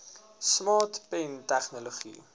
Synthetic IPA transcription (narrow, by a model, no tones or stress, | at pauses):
smɑːtpɛntæχnoloχḭ